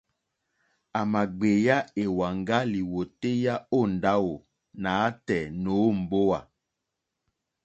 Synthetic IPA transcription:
a˨ma˨ɡ͡be˨ja˦e˨wa˨ŋɡa˦li˨wo˨te˦ja˦o˦˨n˨da˦wo˨ | na˨a˦tɛ˨no˨˦˨m̩˨bo˦wa˨

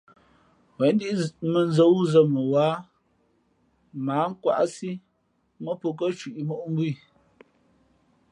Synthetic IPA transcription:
wɛ˨˦n˦di˦ʔmə˨n˦zə˨˦wu˦zə˦˨mə˨waː˨˦ | maː˨˦ŋ̩˦kwa̰˨ʔsi˦ | mə˦po˨k̬ə˦t͡ʃwi˨ʔi˨mɔ˦ʔm˦bwi˦˨

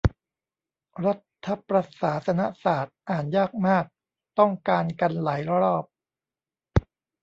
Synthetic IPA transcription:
ɾa˦˥t̪ʰːa˦˥pɾa˧saː˩˦sa˧na˦˥ʔsaː˨˩t̪̚ʔaː˨˩njaː˥˩k̚maː˥˩k̚ | t̪ɔ˥˩ŋkaː˧nka˧nlaː˩˦jɾɾɔː˥˩p̚

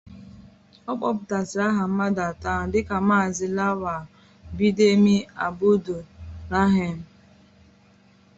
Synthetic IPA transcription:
ɔ˦k͡pɔ˦pʊ˨ta˨sɪ˨ɾa˦ɦa˨m̩˦ma˦da˨ta˦˨dɪ˦ka˨maː˦˨zɪ˦la˦wa˨ | bi˦de˦mi˦a˨bu˦do˨ɾa˦ɦe˨m̩˨

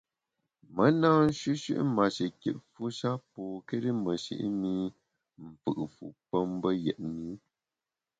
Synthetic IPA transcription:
mə˦naː˦n̩˦ʃi˦ʃḭ˦ʔma˨ʃi˨ke˨ʔ̚fu˦ʃa˦pɔː˨ke˦ɾi˦mə˨ʃḭ˦ʔmi˦ | m̩˨fɨ̰˨ʔfṵ˨pə˦m˦bə˦jɛ̰˨ʔmi˦

